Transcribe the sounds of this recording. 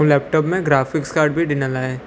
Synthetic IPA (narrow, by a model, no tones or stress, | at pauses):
lɛːp̚ʈɔːpmẽɡɾaːfɪkskaːɾɖbʱiɖɪnəlaːe